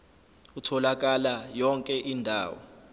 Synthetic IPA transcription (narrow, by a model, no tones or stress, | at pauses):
utʰɔlak̬alajɔŋkʼɛʔindʱa̰ːwɔ̰